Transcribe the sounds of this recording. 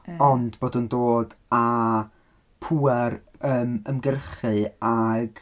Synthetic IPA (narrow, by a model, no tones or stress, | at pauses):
ɔndboːdəndoːda | pʰuːɛrəːməmɡərχɨaɡ